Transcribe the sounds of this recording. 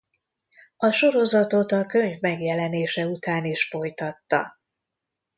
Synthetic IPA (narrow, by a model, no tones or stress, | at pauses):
ɒʃo̞ɾo̞zɒt̪o̞t̪ɒkø̞ɲvmɛɡjɛlɛneːʃɛut̪aːneːʃfo̞jt̪ɒt̪ːɒ̰